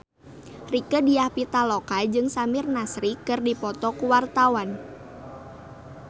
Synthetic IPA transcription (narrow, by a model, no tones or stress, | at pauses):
rikədiahpit̪alɔkad͡ʒɨŋsamɪrnasɾikɨrdipɔt̪ɔkuwart̪awan